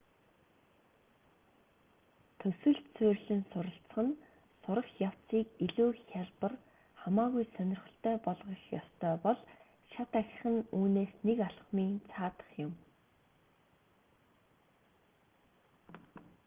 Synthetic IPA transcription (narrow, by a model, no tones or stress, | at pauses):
t̪ʰɵsɘ̆ɮt̪t͡sɵrɮɘ̆nsʊɾə̆ɬt͡s̆χə̆n | sʊɾə̆χjaw̥t͡siːkiɮuːxʲaɮpə̆r | χamaːɣujsœnʲɪ̆rχ̆ɬt̪ʰœːpɔɮʁə̆xjɔ̰st̪ʰœːpɔɮ | ʃat̪æxʲɪ̆χə̆nuːneːsnekaɮχmiːnt͡sʰaːt̪ə̥̆χjʊm